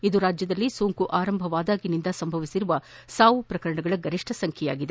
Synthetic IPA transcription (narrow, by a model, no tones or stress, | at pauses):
id̪uɾaːd͡ʒjɐd̪ɐlːisoːŋkuʔaːɾɐmbʱɐʋaːd̪aːɡinind̪ɐsɐmbʱɐʋisiɾuʋɐsaːʋupɾɐkɐɾɐɳɐɡɐɭɐɡɐɾiʂʈʰɐsɐŋkʰɛjaːɡid̪e